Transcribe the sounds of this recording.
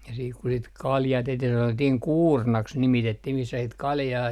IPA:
jɑ siːk ku sit kɑljɑː tehtih sɑnotːihiŋ kuːrnɑks nimitetːih misːæ sit kɑljɑː

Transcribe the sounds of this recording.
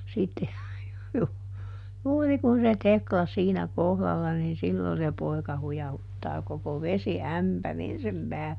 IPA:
sitːe ju juːri kun se teklɑ siːnæ kohlɑlːɑ niːn silːo se poi̯kɑ hujɑhutːɑː koko ʋesiæmpærin sem pæːlːe

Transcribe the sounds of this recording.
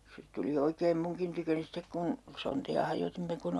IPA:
se tuli oikeːm muŋkin tykøni stek kun sontiɑ hɑjotimːe kun

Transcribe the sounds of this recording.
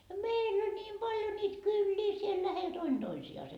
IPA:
jɑ meilː ol nʲiːm pɑljo niːt kylːiː siel læhel d̥oin d̥oisiɑːse

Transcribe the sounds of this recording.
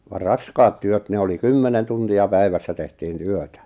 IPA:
ʋɑ rɑskɑːt tyøt ne oli kymːenen tuntiɑ pæiʋæsːæ tehtiːn tyøtæ

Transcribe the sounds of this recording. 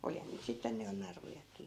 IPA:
olihɑn niːt sitːen ny jo nɑrujɑkˑiː

